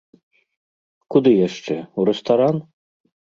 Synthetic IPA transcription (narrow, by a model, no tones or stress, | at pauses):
kud̪ɨjaʂt͡ʂɛuɾɛst̪aɾan